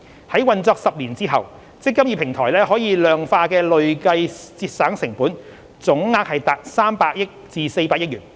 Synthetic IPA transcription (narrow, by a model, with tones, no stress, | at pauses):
hɐ˨˥jwɐ˨˧nt͡sɔː˧k̚sɐ˨p̚liː˨˩nt͡siː˥ɦɐ˨w | t͡sɪ˥kːɐ˥m̚jiː˧pʰɪ˨˩ŋt̪ʰɔː˨˩jlɛː˥hɔː˨˥jiː˨˧lœː˨ŋfaː˧kɛː˧lɵ˨ɥkɐ˧jt͡siː˧t̚saː˨˥ŋsɪ˨˩ŋpuː˨˥n | t͡sʊ˨˥ŋŋaː˧k̚hɐ˨jt̪aː˨˩t̚saː˥mpaː˧k̚jɪ˥k̚t͡siː˨se˧jpaː˧k̚jɪ˥k̚ɥyː˨˩n